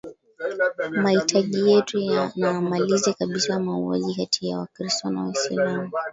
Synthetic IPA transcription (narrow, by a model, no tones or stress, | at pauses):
mahitʰaʄijɛtuanamalizakaɓisamauwa̰ʄikatʰijawakɾistɔna̰wɛsa̰lamu